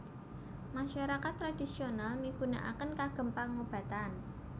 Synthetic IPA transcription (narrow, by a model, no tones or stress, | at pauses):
maʃaɾakat̪ːɾad̥isionalmiɡ̥una̰ʔa̰kənkaɡ̥ə̤mpaŋob̥a̤t̪an